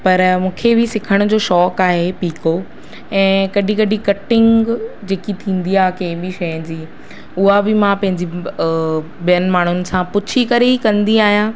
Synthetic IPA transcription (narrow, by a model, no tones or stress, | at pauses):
pɐɾmũːkʰebɪsɪkʰəɽ̃ʊd͡ʑoːʃɔːkaːɦepiːko | ɛ̃ːkɐɗĩkɐɗikɐʈɪ̃ŋɡd͡ʑeːkit̪ʰĩːn̆d̪iaːkɐɦɪ̃bɪʃɐjə̃d͡ʑiː | ʊɦabɪmãpɐ̃ɦɪ̃ɲd͡ʑi | bijənɪ̆maːɳ̤ʊnɪ̆sãpʊt͡ɕʰikɐɾeikɐ̃nd̪iaːɦijãː